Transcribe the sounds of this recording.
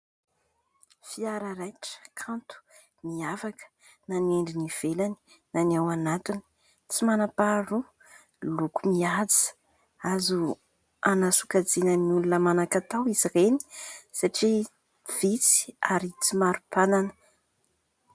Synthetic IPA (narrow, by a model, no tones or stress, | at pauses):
fiaɾəɾajʈ͡ʂə̥kʰãnt̪u̥ | niavakə̥ | nanieɳɖ͡ʐiniv̥elani̥ | nanawanat̪uni̥ | t͡simanapaɾu | lukumiad͡zi̥ | azu | anasukad͡zinəniulunəmanakat̪awizireni̥saʈ͡ʂi | v̥it͡si̥aɾit͡simaɾupananə